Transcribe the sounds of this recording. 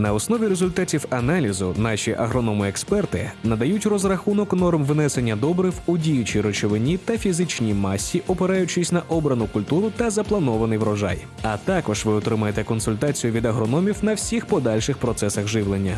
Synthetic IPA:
nɐɔsnɔʋʲiɾezʊlʲt̪atʲiwɐnɑlʲizʊnɑʃʲiʔɐɦɾɔnɔmʊɛkspɛrt̪ɪ̰nɐd̪ɐjutʲrɔzrɐxunɔknɔrmʋnɛsenʲːɐd̪ɔbɾɪwʊdʲijʊt͡ʃiɾɔt͡ʃɔʋɪnʲit̪ɐfʲizɪt͡ʃnʲimɑsʲːiʔɔpeɾɑjʊt͡ʃɪsʲnɐʔɔbɾɐnʊkʊlʲt̪uɾʊt̪ɐzɐplˠɐnɔʋɐnɪjʋɾɔʒɑ̰j | ɐt̪ɑkɔʒʋɪɔt̪ɾɪmɐjet̪ɛkɔnsʊlʲt̪at͡sʲijʊʋʲid̪ɐɦɾɔnɔmʲiwnɐwsʲixpɔd̪ɑlʲʃɪxpɾɔt̪sɛsɐxʒɪwlˠenʲːɐ

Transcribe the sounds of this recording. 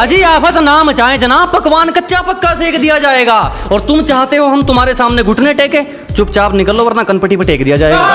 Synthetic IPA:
ɐd͡ʒiːaːpʰət̪naːmt͡ʃaːɦẽd͡ʒɐnaːb̚pɐkʋaːnkɐtːʃapɐkːaseːkd̪ijad͡ʒaːeːɡaːɔːɾt̪ʊmt͡ʃaːɦt̪eɦoɦɐmt̪ʊm̤aːɾesaːmneɡʱʊʈʰneʈeːkẽː | t͡ʃʊpt͡ʃaːbnɪkəlːoʋɐɾnakɐnpəʈipeʈeːkd̪ijad͡ʒaːeːɡaː

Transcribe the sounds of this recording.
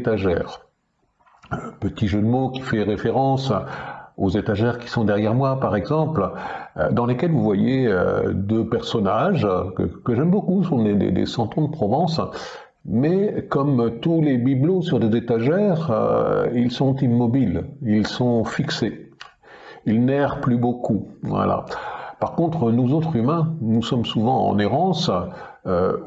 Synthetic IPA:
t̪aʒɛːʁ | pət̪iʒəd̪mokʲi̥fɛʁefeʁɑ̃s | ozet̪aʒɛʁkʲi̥sɔ̃d̪ɛʁjɛʁmwapaʁɛɡzɑ̃pld̪ɑ̃lekʲɛlvuvwajeø̰d̪øpɛʁsɔnaʒkə̰kəʒɛmbokusɔ̃d̪ed̪ḛd̪ḛsɑ̃t̪ɔ̃d̪əpχɔvɑ̃s | mɛkɔmt̪ulebiblosyʁd̪ezet̪aʒɛʁ̰ | ilsɔ̃t̪imːɔbililsɔ̃fikse | ilnɛʁplybokuvwa̰la̰paʁkɔ̃t̪χənozot̪χymɛ̃nusɔmsuvɑ̃ɑ̰̃neʁɑ̃s | ø

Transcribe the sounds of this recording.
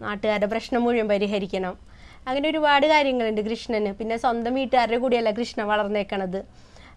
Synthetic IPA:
naːʈːɨɣaːɾdep̬rɐɕɳɐmːuɻijɐmpɐɾiɦɐɾikʲːɐɳɐm | ɐŋːɐneo̞ɾubaːɽɨkaːɾjɐŋːɐɭuɳɖɨkrɨʂɳɐnɨpinːe̞swɐnd̪ɐmʋiːʈːɨɐrekuːɽijɐlːɐkrɨʂɳɐmʋɐɭɐrnːeːkːɐɳɐðɨ

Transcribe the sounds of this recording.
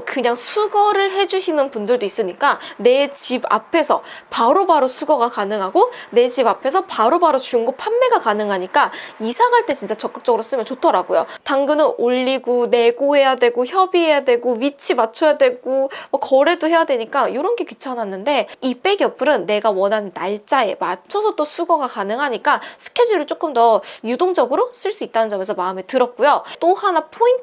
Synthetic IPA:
kɯɲaŋsʰuɡʌɾɯɭɦe̞d͡ʑuɕʰinɯnpundɯɭdois͈ɯɲik͈ane̞t͡ɕiba̰pʰe̞sʰʌpaɾobaɾosʰuɡʌɡakanɯŋɦaɡone̞d͡ʑibapʰe̞sʰʌpaɾobaɾot͡ɕuŋɡopʰamːe̞ɡakanɯŋɦaɲik͈aisʰaŋɦaɭt͈e̞t͡ɕint͡ɕ͈at͡ɕʌk͈ɯk̚t͡ɕ͈ʌɡɯɾos͈ɯmjʌnt͡ɕotʰʌɾaɡojo̰taŋɡɯnɯnoʎːiɡone̞ɡohe̞jadwe̞ɡoçjʌbiɦe̞jadwe̞ɡowit͡ɕʰimat͡ɕʰojadwe̞ɡomwʌkʌɾe̞dohe̞jadwe̞ɲik͈ajoɾʌnɡe̞kɥit͡ɕʰʌnanːɯnde̞ip͈e̞ɡijʌpʰɯɾɯnːe̞ɡawʌnɦanɯnːaɭt͡ɕ͈ae̞mat͡ɕʰʌsʰʌt͈osʰuɡʌɡakanɯŋɦaɲik͈asʰɯ̥kʰe̞d͡ʑiɾɯɭt͡ɕ͈ok͈ɯmtʌjudoŋd͡ʑʌɡɯɾoɕ͈ʰiɭs͈uit̚t͈anɯnd͡ʑʌme̞s̬ʰʌmaɯme̞tɯɾʌk̚k͈ujot͈ohanapʰoin

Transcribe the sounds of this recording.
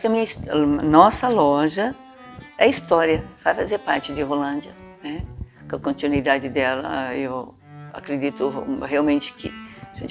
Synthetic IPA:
aʊ̥kɪɐmĩɲɐisnɔsɐlɔʒɐ | ɛɐist̪ɔɾiɐv̥ajfazeɾpaɾt͡ʃɪd̪ɪɦolɐ̃nd͡ʒɐnɛkõkõnt̪inwid̪ad͡ʒɪd̪ɛlɐ̰ew | a̰kɾed͡ʒ̪it̪ʊɦeawmẽnt͡ʃɪ̥kʰɪ̰aʒẽt͡ʃ

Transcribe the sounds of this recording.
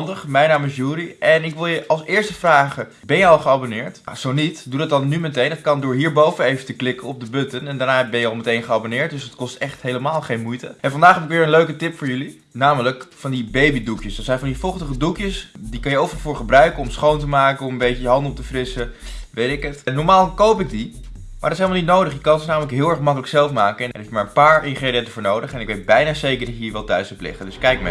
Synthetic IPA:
ndəχmɛjnaːmɪsjuːɾiɛnɪkʋɪlˠjəʔɑlˠsɪːɹstəfraːχə | bɛnjəɑlˠχəɑbonɪːɹtz̥ownitdudɑt̚dɑnːymɛtejnɦətkɑndʊːɹɦiːɹbowvənejvətəklɪkənɔb̚dəbɵtənɛndaːɹnaːbɛnjəɑlˠmətejnχəɑbonɪːɹt̚dɵsətkɔstɛχtɦejləmaːlˠχejnmujtəɛfɑndaːχɦɛpɪk̬ʋɪːɹənløɥkətɪpfʊːɹjɵli | naːmələkfɑndibejbidukjəsdɑtsɛjnvɑndifɔχtəχədukjəsdikɑnjəowfəəfʊːɹχəbrœɥkəɔmsχowntəmaːkəɔməmbejcəjəɦɑndɔp̚təfrɪsəʋejtɪkətnɔɹmaːlˠkowpɪɡ̚di | ma̰ɹdɑtɪs̬elmlnit̬̚nowdəχjəkɑnsnaːmələkɦɪːlˠɛɹχmɑkələksɛlˠfmaːkəɛnɛ̰efjmaːɹənpaːɹɪŋχreːdiɛntəvʊːɹnowdəχɛnɪkʋejt̚bɛjnaːzejkəɹɦiːɹʋɛlˠtœɥstəplɪ̰χədɵskɛjk̚ma̰

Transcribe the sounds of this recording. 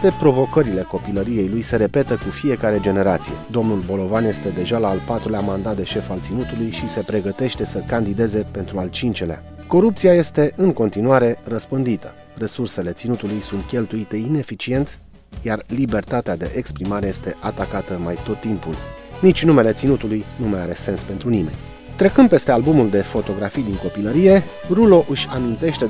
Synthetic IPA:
pe̞pɾo̞vo̞kəɾile̞ko̞piləɾije̞jlujse̞ɾe̞pe̞t̪əkufije̞kaɾe̞d͡ʒe̞neɾat̪sije̞̰d̪o̞mnulbo̞lo̞vanje̞st̪e̞d̪e̞ʒalaːlpat̪ɾuleamand̪at̪̚d̪e̞ʃe̞falt̪sinut̪ulujʃise̞pɾe̞ɡət̪e̞ʃt̪e̞səkand̪id̪e̞ze̞pe̞nt̪ɾualt͡ʃint͡ʃe̞lea̰ | ko̞ɾupt̪siaje̞st̪e̞ʔɨŋko̞nt̪inuaɾe̞rəspɨnd̪it̪ə̥ | re̞surse̞le̞t̪sinut̪ulujsunt̪kʲe̞lt̪uit̪e̞ine̞fit͡ʃie̞nt̪ | jarlibe̞rt̪at̪ead̪e̞̰ʔekspɾimaɾe̞je̞st̪e̞ʔat̪akat̪əmajt̪o̞t̪ːimpul | nit͡ʃʲnume̞le̞t̪sinut̪ulujnumaja̰ɾe̞se̞nspe̞nt̪ɾunime̞̰nʲ | t̪ɾe̞kɨnd̪pe̞st̪e̞albumuld̪e̞fo̞t̪o̞ɡɾafijd̪iŋko̞piləɾije̞ | rulo̞ʔɨʃʲanunt̪e̞ʃt̪e̞

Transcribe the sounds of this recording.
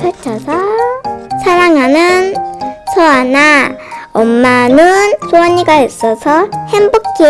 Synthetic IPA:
pʰjʌt͡ɕʰʌsʰʌ | sʰaɾaŋɦanɯnsʰʌanaʌmːanɯnsowʌɲiɡais͈ʌsʰʌhembok͈ʰi

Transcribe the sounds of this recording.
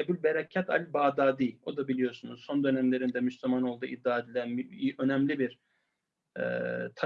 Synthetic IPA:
ɛbilbeɾacʰːat̪ʰa̰lʲbaːd̪aːd̪iːo̞d̪abilʲijo̞ɾsunuzso̞nd̪ø̞næmlʲe̞ɾind̪ɛmyslʲymano̞lˠd̪ṵːʔid̪ːaːd̪lʲæiø̞nɛmlʲibiɾ | ɛ̰t̪ʰ

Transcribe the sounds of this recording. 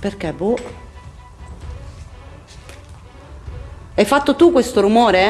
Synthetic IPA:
perk̟ebu | ɛjfat̪ːot̪ukwest̪oɾumoːɾe

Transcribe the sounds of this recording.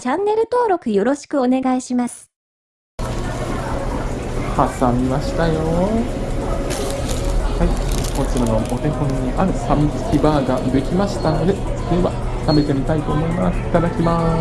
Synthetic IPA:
t͡ɕãnːe̞ɾɯ̟t̪o̞ːɾo̞kɯ̟jo̞ɾo̞ɕi̥kɯ̟o̞ne̞ɡaiɕimasɨ̥ | hasamʲimaɕi̥t̪ajo̞ | haikot͡ɕiɾano̞ʔot̪ehõɲɲiʔaɾɯ̟samit͡sɨ̥kʲibaːɡab̪e̞kʲimaɕi̥t̪ano̞d̪e̞sd̪eβa | same̞t̪e̞mʲit̪ait̪o̞ːmo̞imasi̥t̪ad̪akʲima

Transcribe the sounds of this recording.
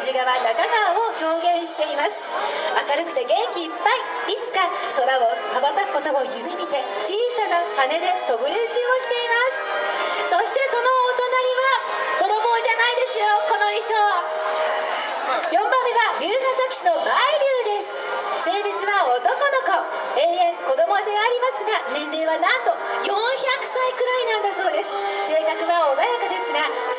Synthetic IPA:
d͡ʑiɡaβanakaɡaaoço̞ːɡẽ̞ɰ̃ɕi̥t̪e̞imasɨ̥akaɾɯ̟kɯ̟̥t̪e̞ɡẽ̞ŋkʲiːpːai | it͡sɨ̥ka | so̞ɾaok̪abat̪akːo̞t̪o̞ojɯ̟mʲimʲit̪e̞ | t͡ɕiːsanakane̞d̪e̞t̪o̞bɯ̟ɾeɕĩɰoɕi̥t̪e̞imasɨ̥ | so̞ɕi̥t̪e̞so̞no̞ːt̪o̞naɲ̟iβa | t̪oɾobo̞ːd͡ʑanaid̪e̞sɨjo̞ko̞no̞iɕoː | jõ̞mbamːe̞βaɾʲɯːɡasakɯ̟̥ɕino̞maiɾʲɯːd̪e̞sɨ̥ | se̞ːbʲit͡sɨβaot̪oko̞no̞ko | ẽɰẽ̞ŋko̞d̪o̞mo̞d̪e̞aɾʲimasɨɡanẽ̞nɾʲɯːβanãnt̪o̞ | jõ̞ɰ̃çakɯ̟̥saikɯ̟ɾainãnd̪aso̞ːd̪e̞sɨ̥se̞ːkakɯ̟βaod̪ajakad̪e̞sɨɡa

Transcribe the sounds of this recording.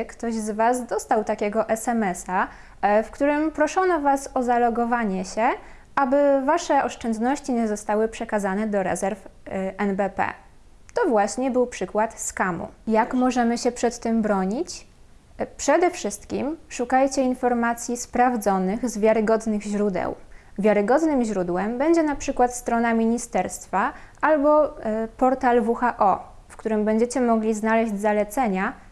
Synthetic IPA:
kt̪ɔʑzvazd̪ɔst̪awt̪akʲɛɡɔʔɛsɛmɛsa | fkt̪uɾɘmpɾɔʂɔnɔvasɔzalɔɡɔvaɲɛɕɛ | abɘvaʂɛɔʂt͡ʂɛnd̪nɔɕt͡ɕiɲɛzɔst̪awɘpʂɛkazanɛd̪ɔɾɛ̰zɛɾfʔɛnbɛpɛ̰ | t̪ɔvwaɕɲɛbɘwpʂɘkwat̪skamṵjakmɔʐɛmɘɕɛpʂɛt̪ːɘmbɾɔɲit͡ɕ | pʂɛd̪ɛfʂɘst̪kʲimʂukajt͡ɕɛinfɔɾmat̪sʲjispɾavd̪zɔnɘɣzvʲjaɾɘɡɔd̪nɘɣʑɾud̪ɛ̰w | vʲjaɾɘɡɔd̪nɘmʑɾud̪wɛmbɛɲd͡ʑɛnapʂɘkwat̪st̪ɾɔnamʲiɲist̪ɛɾst̪faʔalbɔpɔɾt̪alvuxaʔɔ | fkt̪uɾɘmbɛɲd͡ʑɛt͡ɕɛmɔɡlʲiznalɛʑd͡ʑzalɛt̪sɛɲa

